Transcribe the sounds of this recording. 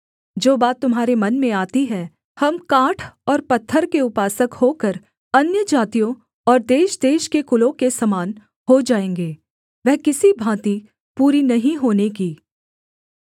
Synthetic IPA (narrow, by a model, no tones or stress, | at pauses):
d͡ʒoːbaːt̪ːʊmɦaːɾemɐnmẽaːt̪iɦɛ | hɐmkãːʈʰɔːɾpɐt̪ʰːəɾkeʊpaːsəkhoːkəɾ | ɐnjəd͡ʒaːt̪ijõ | ɔːɾd̪eːʃd̪eːʃkekʊlõkesɐmaːn | hod͡ʒaːẽːŋɡeː | ʋɛɦkɪsibʱãːt̪i | puːɾinɐɦĩɦoːnekiː